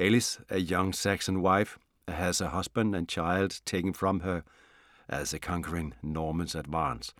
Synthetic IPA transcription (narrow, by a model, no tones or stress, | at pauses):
ɛlˠɨsɨjʌ̃ŋsæksə̃nwaɪf | ɨz̥əɦʌzbə̃ndɨ̃nt͡ʃʰaɪlˠdtʰeɪkn̩fɹʌ̃mə˞ | ʔɨ̰zɨkʰɑ̃ŋkə˞ɪ̃ŋnɔɹmə̃nzɨdvæ̃ns